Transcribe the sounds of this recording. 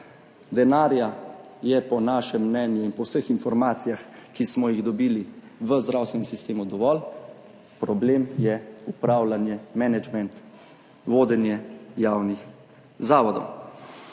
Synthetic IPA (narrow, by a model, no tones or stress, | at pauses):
d̪ɛnaːɾja | jɛpɔnaːʃɛmːnɛːnjuinpɔwsəxinfɔɾmaːt̪sijaxkismɔjiɣd̪ɔbiːliʋəzd̪ɾawst̪ʋɛnɛmsist̪eːmud̪ɔʋɔl | pɾɔbleːmjɛupɾaːwlanjɛmɛnɛd͡ʒmɛnt̪ | ʋoːd̪ɛnjɛjaːwnix | zaːʋɔd̪ɔ̰w